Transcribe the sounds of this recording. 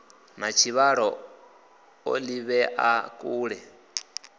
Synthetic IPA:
mat͡ʃʰiβaɺɔ | o̰liβɛʔakʼuːɺɛ

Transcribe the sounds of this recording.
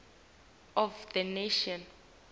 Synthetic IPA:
ɔfdəneʃɔ̃n

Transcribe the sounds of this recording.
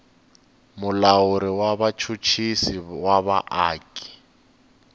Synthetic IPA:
mʊlauɾiwaβat͡ʃʰut͡ʃʰisiwaβaʔaːkʼi̥

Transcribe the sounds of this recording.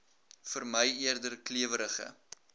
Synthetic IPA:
fərməjiərdərkliəvəɾəχə̰

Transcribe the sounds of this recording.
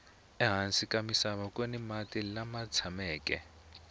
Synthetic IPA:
ɛɦansikʼamisaβakʼwenimatʼilamat͡sʰamɛːkʼɛ̰

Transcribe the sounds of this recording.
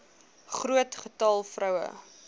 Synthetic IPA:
χruətχətɐlˠfrɐwə̰

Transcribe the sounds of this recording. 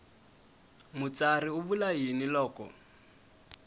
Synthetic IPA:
mʊt͡sariʊbulajinilɔːkʼɔ̰

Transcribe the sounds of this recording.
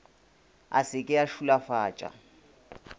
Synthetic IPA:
a̰sɪkʼɪaʃulafaːt͡ʃʼa̰

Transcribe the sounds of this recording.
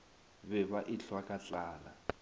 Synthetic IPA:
βɛβaʔiɬwakʼat͡ɬʼaːla

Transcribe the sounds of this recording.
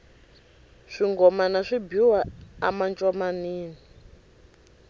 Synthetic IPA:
ʂiŋɡɔmanaʂibiwaa̰mant͡ʃʼɔmaniːnii

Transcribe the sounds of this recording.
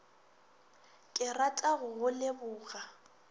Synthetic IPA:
kʼɪratʼaɣʊɣʊlɪbʊːɣa

